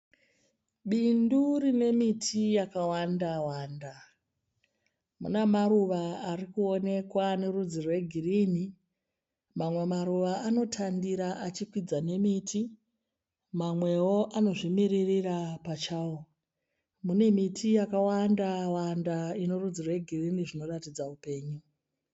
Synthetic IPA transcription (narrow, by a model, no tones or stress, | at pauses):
ɓindurine̞mitʰijakawandawaːnda | mṵnamaɾuʋaːrikuo̞ne̞kwane̞rud͡zirwe̞ɡʱiriːni | mamwe̞maɾuʋaano̞tʰandiɾaʔat͡ʃikwid͡zane̞miti | mamwe̞wo̞ʔano̞ʐimiririrapat͡ʃaːwo | mune̞mitʰijakawandawandaino̞rud͡zirwe̞ɡʱiriniʐino̞ratid͡zaupe̞ːɲu